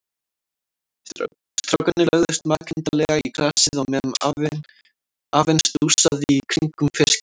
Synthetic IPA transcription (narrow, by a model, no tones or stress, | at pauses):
st̪ɾɔwkanɪlœɣðʏst̪maːcʰɪnt̪alɛɣaiklaːsɪðɔmɛma | aːvɛnsusaðikʰɾiŋkʏmfɪsc